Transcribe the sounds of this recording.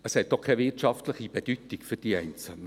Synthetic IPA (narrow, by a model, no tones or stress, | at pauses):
əshɛt̚dɔχkʰːɛvɪtt͡ʃɑftləχib̥ed̥yt̪ikfʏɾd̥iɛɪnt͡sl̩nə